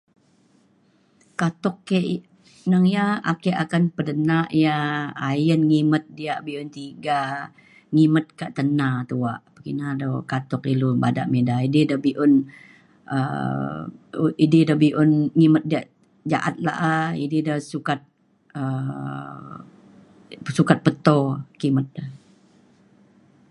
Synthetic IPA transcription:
kat̪ɔkːeʔ | nəŋjaakeʔakanpədənaʔijaːjənŋimət̪̚diaʔbiʊnt̪iɡa | ŋimət̪̚kaʔt̪ənat̪ua̰ʔpəkḭnadəwkat̪ɔkilubada̰ʔmedaididəbiʔʊn | ə̰ | ididəbiʔʊnŋimət̪̚diaʔ | d͡ʒaʔat̪̚la̰ʔaididəhsukat̪̚ | ə | sukat̪̚pət̪okimət̪̚dəh

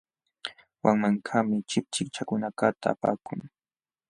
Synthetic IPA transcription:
waŋmaŋkʰamɪt͡ʃɪp̚t͡ʃɪkt͡ʃakʊnakat̪ʰaːpa̰ːkʊŋ

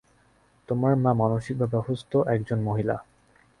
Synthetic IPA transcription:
t̪omaɾmamanoʃik̚bʱabɛbʱost̪oʔɛkd͡ʑonmoɦila̰

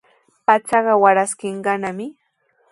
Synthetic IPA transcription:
pat͡sɑɢɑwaɾaskɪɴɢɑnamɪ

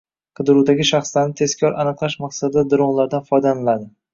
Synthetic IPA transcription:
qʰɨd̪ɪɾud̪aɡʲɪʃaχslaɾnɪt̪ʰe̞zkʲʰɒɾʔanɨqlˠaʃmaqsad̪ɪd̪ad̪ʊɾɒʁlˠaɾd̪anfɒjd̪anɪlad̪ɪ

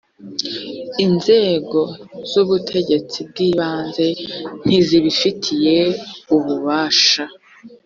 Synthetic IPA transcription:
inze̞ːɡo̞z̥uβutʰe̞ɟe̞t͡sib̚ɡiːβaːnze̞n̥iziβifitʰije̞uβuβaːʃa

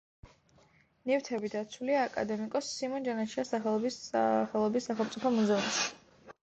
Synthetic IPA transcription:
nift̪ʰɛbid̪at̪sʰuliaːkʼa̰d̪ɛmikʼɔsːimɔnd͡ʒanaʃiasaχɛlˠɔbχɛlˠɔbisːaχɛlˠmt̪sʼipʰɔmuzɛũmsi

